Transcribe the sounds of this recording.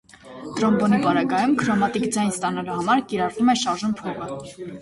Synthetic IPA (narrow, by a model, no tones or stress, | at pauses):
t̪ɾɔmbɔnipɑɾɑɡɑjumkʰɾɔmɑt̪ikd͡zɑjnst̪ɑnɑluhɑmɑɾkiɾɑrvumɛʃɑɾʒunpʰɔʁə